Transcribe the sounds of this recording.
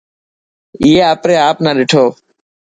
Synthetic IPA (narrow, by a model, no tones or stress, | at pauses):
iːɦeːaːpɾeːaːpnaːɗɪʈʰoː